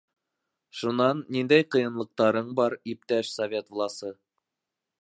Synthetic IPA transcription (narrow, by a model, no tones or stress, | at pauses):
ʃunɑnːind̪æjqɤ̆jɤ̆nlˠɤ̆q̚t̪ɑɾɤɴbɑɾip̚t̪æʃsovʲe̞t̪vlˠɑsɤ